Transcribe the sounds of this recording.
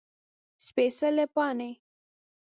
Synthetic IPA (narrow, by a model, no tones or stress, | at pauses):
spesɐlepɑːne